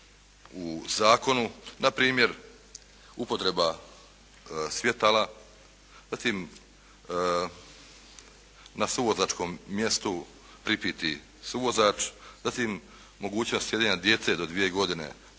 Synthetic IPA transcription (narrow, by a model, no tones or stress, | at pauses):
uzaːko̞nunapɾiːmje̞ɾ | upo̞t̪ɾe̞ba | sʋʲje̞t̪ala | zat̪iːm | nasuʋo̞zaːt͡ʃko̞ːmːje̞st̪u | pɾipiːt̪i | suʋo̞zaːt͡ʃzat̪iːmː | o̞ɡuːt͡ɕnost̪je̞d̪eɲad̪je̞t̪se̞d̪o̞d̪ʋije̞ɡo̞d̪ine̞̰